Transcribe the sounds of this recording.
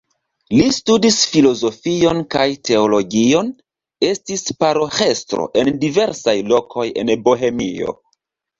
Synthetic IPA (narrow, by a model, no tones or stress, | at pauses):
listudisfilo̞zo̞fio̞nkajtʰe̞o̞lo̞ɡio̞n | e̞stispaɾoxe̞stɾo̞̰ʔe̞ndive̞ɾsajlo̞kʰo̞je̞̰nboɦe̞mḭo̞̰